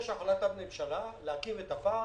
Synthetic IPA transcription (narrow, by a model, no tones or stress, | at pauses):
ʃaχalat̪abnemʃalaleakivet̪afa